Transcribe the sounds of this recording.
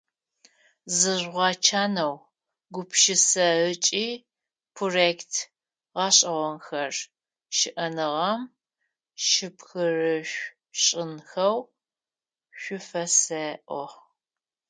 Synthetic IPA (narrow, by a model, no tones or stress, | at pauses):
zɨʒʁʷɑt͡ʃʰaːnɐw | ɡʷʊpʰʃɪsɐət͡ʃʼiː | pʰroreːktʰ | ʁɑːɕʼɐʁʷɔnxɐr | ʃɪʔɐnɨʁɐm | ʃɪpxɨrɨʃʷ | ɕʼɪnxɐw | ɕʷʊfɐsɐʔʷɔχ